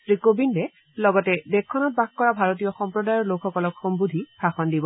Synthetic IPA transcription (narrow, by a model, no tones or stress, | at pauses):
tɹikobindɛ | lɔɡɔtɛdɛkʰːɔnɔt̚bakkːɔɹabʱaɹot̬ijɔxɔmpɹɔdajɔɹlokʰxɔkɔlɔkxɔmbudʱipaxɔndibɔ